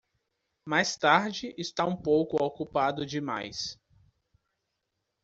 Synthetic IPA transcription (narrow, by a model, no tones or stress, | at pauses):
majst̪aɾd͡ʒɪʔɪst̪aũpowkʊokupad̪ʊd͡ʒɪma̰js